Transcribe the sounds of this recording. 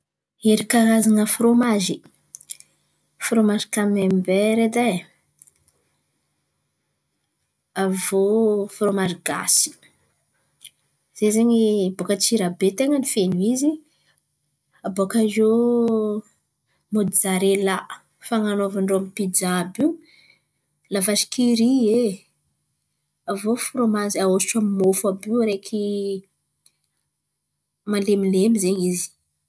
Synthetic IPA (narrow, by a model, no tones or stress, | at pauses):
eɾikaɾazaŋəfɾomaʒi | fɾomazikamembeɾed̪e | avofromaʒiɡ̥a̰si̥ | z̥ezeɲibokət͡siɾabet̪eŋənifenuizi | abokazo | mod̪zaɾelaʔ | faŋanovaɳɖ͡ʐoamipid͡ʒabi | lavaʃi̥kʰiɾie | avofuɾomazaosiʈ͡ʂamimofabiɾekʰi | malemilemizeɲizi̥